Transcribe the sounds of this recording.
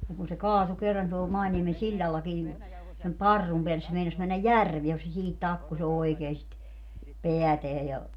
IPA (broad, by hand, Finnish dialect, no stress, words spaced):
niŋ kun se kɑːtu kerːɑn tuol mɑiniemen silʲːɑlːɑki nin sem pɑrːum peælːes se meinɑs mænːæj jærʋie ku se siːhit tɑkːus oekeː sit peæteæ jɑ